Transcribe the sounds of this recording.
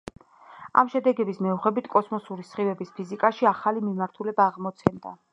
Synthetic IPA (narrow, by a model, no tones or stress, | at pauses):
a̰mʃɛd̪ɛɡɛbismɛuχɛbit̪ʰkʼɔsmɔsuɾisχivɛbispʰizikʼaʃiaχalimimaɾt̪ʰulɛbaːʁmɔt̪sʰɛnd̪a̰